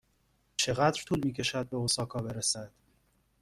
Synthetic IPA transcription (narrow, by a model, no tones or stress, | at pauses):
t͡ʃʰe̞ɣæd̪ɾt̪ʰuːlmiːcʰe̞ʃæd̪̚be̞osɒːkʰɒːbe̞ɾesæd̪̥